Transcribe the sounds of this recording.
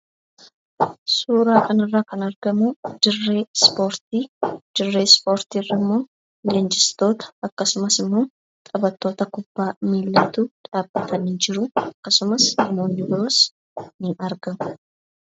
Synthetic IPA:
suːɾaːkʰɐnɪrːaːkɐnɐɾɡɐmʊd̪̥ɪrːe̞ːspo̞ːɾt̪iːd̪̥ɪrːe̞ːspo̞ːɾt̪iːrːɐmːo̞ː | leːnd͡ʒɪst̪o̞ːt̪ɐ̥ɐkːɐsʊmɐsɪmːo̞ː | t̪ʼɐbɐt̪ːo̞ːt̪ɐkʊbːaːmiːlːɐt̪uːᶑaːbːɐt̪ʰɐnɪd͡ʒɪɾʊɐkːɐsʊmɐsnɐmoːnːɪd̪oɾs | nɪɐɾɡɐmʊ̥

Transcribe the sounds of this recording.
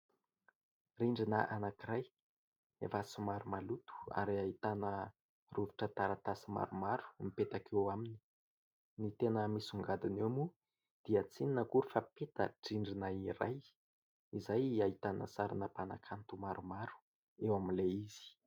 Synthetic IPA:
riɳɖ͡ʐinəʔanakiɾaj | ḛfasimaɾumalut̪u̥a̰ɾiait̪anə | ruviʈ͡ʂət̪aɾat̪asima̰ɾumaɾu̥mipet̪akʰewamini̥ | nit̪enəmisuŋɡad̪inewmu | d̪̥iət͡sininəkuɾufapet̪ə̰ʈ͡ʂiɳɖ͡ʐinaiɾaj | izajait̪anə̰saɾanəpana̰kʰant̪umaɾumaɾu̥ | ewaminleiz̥i̥

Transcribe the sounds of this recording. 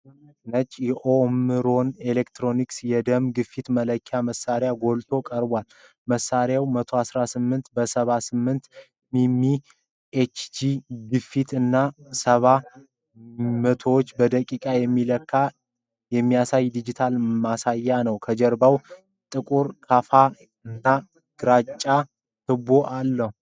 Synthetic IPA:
nət͡ʃʼːjɛʔomɨɾo̞nelekt̪ɾo̞niksjɛd̪əmɡɨfːit̪mələkʰːaməsaɾejaɡo̞lt̪ʰo̞kʼəɾbwal | məsːaɾjawmət̪ʰo̞asɾasɨmːɨnt̪bəsəβasɨmːɨnt̪ | mimːi | et͡ʃd͡ʒiɡɨfːit̪ɨnːasəβa | mət̪ʰowot͡ʃːbəd̪əkʼikʼajɛmːiləkʰːa | jɛmːijasajd̪id͡ʒit̪ʰalmasajːanəwkʰəd͡ʒəɾbaw | t̪ʼɨkʼuɾkʰafa | ɨnːa | ɡ̥ɨɾat͡ʃʼːa | t̪ʰɨbo̞ʔalːəhu

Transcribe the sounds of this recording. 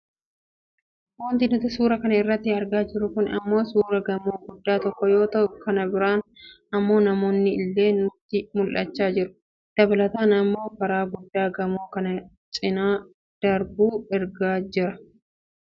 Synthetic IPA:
wɔnt̪ɪnʊt̪ɪsuːɾɐkɐnɐɪrːɐt̪ːɪɐɾɡaːd͡ʒɪɾːʊkʊnɐ̰mːo̞ːsuːɾɐɡɐmo̞ːɡʊd̪ːaːt̪ɔkːɔjo̞ːt̪ɐʔʊkɐnɐbɪɾaːn | ɐmːo̞ːnɐmo̞ːnːɪɪlːe̞ːnʊt̪ːɪmʊlʔɐt͡ʃːaːd͡ʒɪɾʊ̥ | d̪̥ɐbɐlɐt̪aːnɐmːo̞ːfɐɾaːɡʊd̪ːaːɡɐmo̞ːkɐnɐ | t͡ʃʼɪnaː | d̪̥ɐɾbuːɛɾɡaːd͡ʒɪɾɐ

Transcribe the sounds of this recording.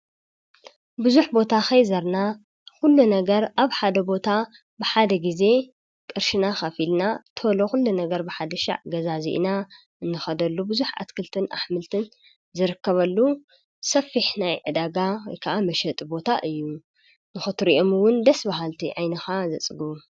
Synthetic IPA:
bɨzuħbo̞t̪ʰaxɐjzɐɾna | xulːunɐɡɐɾʔaβħad̪ɐbo̞t̪ʰa | bɨħad̪ɐɡize̞ | kʼɨɾʃinaxɐfilnat̪ʰɨloxulːunɐɡɐɾbɨħad̪ɐʃa̰ʕɡɐzazḭʔna | ɨnːɨxɐd̪ɐlːubɨzuħa̰t̪kʰɨlt̪ʰɨna̰ħmɨlt̪ʰɨn | zɨɾɨkːɐβɐlːu | sɐfiħnajʕɨd̪aɡajkʰːaʔamɐʃɐt̪ʼbo̞t̪ʰaʔɨjːu | nɨxɨt̪ɾiʔo̞mɨwʊnd̪ɐsbaɦalt̪ʰiʕajnɐxazɐt͡sʼɨɡuu

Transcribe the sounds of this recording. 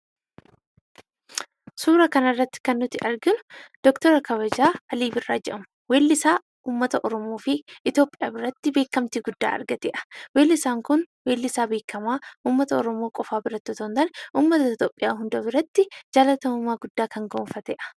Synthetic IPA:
suːɾɐkɐnɐrːɐt̪ːɪ̥kɐnːʊt̪ɪʔɐɾɡɪnʊ̥d̪̥ɔkt̪ɔɾɐkɐβɐd͡ʒaːɐliːbɪrːaːd͡ʒɛʔɐmʊ | weːlːɪsaː | uːmːɐt̪ɐʔɔɾɔmo̞ːfɪʔɪt̪jo̞ːpʼɪjaːbɪɾɐt̪ːɪbe̞ːkːɐmt̪iɡʊd̪ːa̰ːʔɐ̰ɾɡɐt̪ɛ̰ːʔɐ̥weːlːɪsaːŋkʊnweːlːɪsaːbe̞ːkːɐmaːʔuːmːɐt̪ɐɔɾɔmo̞ːkʼɔfaːbɪɾɐt̪ːot̪ont̪ɐnʔuːmːɐt̪ɐɪt̪joːpʼːɪjaːɦʊnd̪ɐbɪɾɐt̪ːɪd͡ʒaːlɐt̪ɐmɐmaːɡʊd̪ːaːkɐŋɡoːnfɐt̪ɛːʔɐ̥

